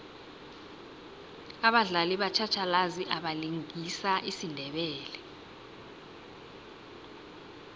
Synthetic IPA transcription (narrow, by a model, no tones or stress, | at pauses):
aɓaɮaliɓat͡ʃʰat͡ʃʰalaziʔaɓaliŋisaʔisindʱɛɓɛːlɛ